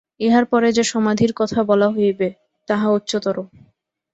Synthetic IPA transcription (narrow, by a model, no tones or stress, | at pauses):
eɦaɾpɔɾed͡ʑeʃɔmad̪ʱiɾkɔt̪ʰabɔlaɦojbe | t̪aɦaut̪ːɕot̪oɾo